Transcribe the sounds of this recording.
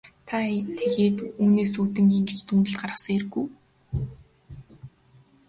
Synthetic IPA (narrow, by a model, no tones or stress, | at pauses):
t̪ʰat̪ʰeɣeːt̪uːneːsuːt̪ɘ̆ŋiŋɡɘ̆t͡ɕt̪ʰuːnɘ̆ɮt̪ɢarʁə̆sə̆ŋerɡuj